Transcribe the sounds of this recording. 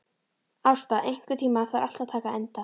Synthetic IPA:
awst̪aʔejŋ̥kʏ̥t̪ʰiːmaθaɾal̥t̪at̪ʰaːkaɛnt̪a

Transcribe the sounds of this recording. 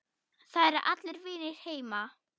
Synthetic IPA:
θaðɛɾɾʔa̰t̪lɪɾvɪːnɪɾ̥heːjma

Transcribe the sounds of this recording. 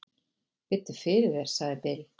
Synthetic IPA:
pɪt̪ʏ̥fɪɾɪðɛɾ̥saɣðɪpeːl

